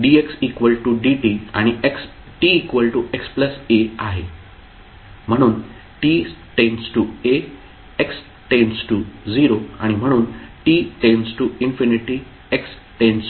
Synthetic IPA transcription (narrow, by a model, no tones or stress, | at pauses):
ɖieksikʋəlʈuɖiʈiaɽ̃ieks | ʈiːkʋəlʈuʔekspləseaɦe | m̤əɽ̃uːn | ʈiːsʈensʈue | eks | ʈẽnsʈud͡ziɾoa̰ɽ̃im̤əɽ̃uːnʈiʈẽnsʈuinfiniʈi | eks | ʈẽns